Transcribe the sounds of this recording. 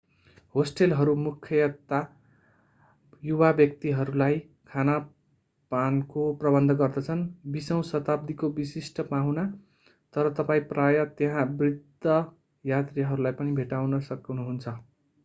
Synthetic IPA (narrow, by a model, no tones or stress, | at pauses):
hosʈelɦʌɾumukʰjʌjʌt̪ːa | jubabjʌk̚t̪iɦʌɾulaj | kʰana | pankoprʌbʌnd̪ʱʌɡʌrd̪ʌt͡sʰʌnbisʌw̃sʌt̪ab̚d̪ikobisisʈʌpaɦũna | t̪ʌɾʌt̪ʌpaĩprajʌt̪jeɦãbrid̪ʱːʌ | jat̪rijaɦʌɾulajpʌnibʱeʈawnʌsʌknuɦunt͡sʰʌ